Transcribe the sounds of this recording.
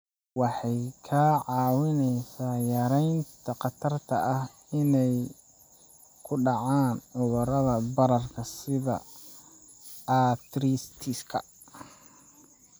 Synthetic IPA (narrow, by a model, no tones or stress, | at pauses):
wɑħɑjkʰaːʕɑːwɪnɛjsaːjɐɾɛjnt̪ʰɐqɑt̪ʰɐrt̪ʰɐʔɐh | ɪnɛj | kʰʊɖɑʕaːnʕʊðʊɾɐðɐbɐɾɐrkʰɐsɪðɐ̰ | aːt̪ɾist̪ʰiskʰɐ